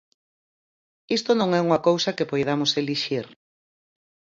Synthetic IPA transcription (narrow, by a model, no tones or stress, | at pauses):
ist̪onõŋɛuŋɐkowsɐkepojð̞amoseliʃiɾ